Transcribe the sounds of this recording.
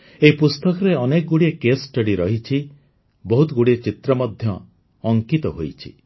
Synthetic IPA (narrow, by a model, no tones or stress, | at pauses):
eɦipust̪ɔkɔɾeɔnekɔɡuɽiekesʈeɽiɾɔɦit͡ʃʰi | bɔɦut̪ɡuɽiet͡ʃit̪ɾɔmɔd̪ʱjɔː | ŋkit̪ɔɦojt͡ʃʰḭ